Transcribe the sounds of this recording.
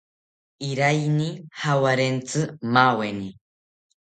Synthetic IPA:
iɾajnihawaɾent͡sʼɨmaweni

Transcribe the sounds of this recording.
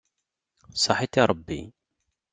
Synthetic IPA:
sˤɑħit̪iɾˤbːḭ

